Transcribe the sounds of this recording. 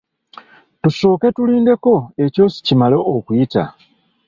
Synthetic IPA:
tuso̞ːke̞tuliːnde̞ko̞e̞co̞ːsi̥cimaleʔokujita̰

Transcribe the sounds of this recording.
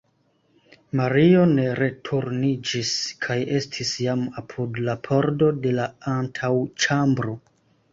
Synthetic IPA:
maɾio̞ne̞ɾe̞tʰuɾnid͡ʒiskʰaje̞stʰisjamapʰudlapʰo̞ɾdo̞de̞laantʰawt͡ʃambɾo̞

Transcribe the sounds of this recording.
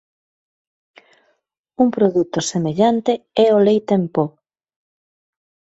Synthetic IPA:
uŋpɾoðut̪osemeʎant̪eɛolejt̪empo

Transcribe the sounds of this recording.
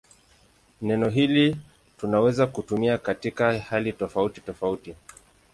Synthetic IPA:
nɛnɔɦili | tunawɛzakutumiakatikahalitɔfauti̥tɔfauti

